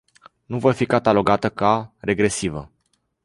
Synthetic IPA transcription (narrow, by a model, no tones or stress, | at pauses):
nuvojfikat̪alo̞ɡat̪əkare̞ɡɾe̞sivə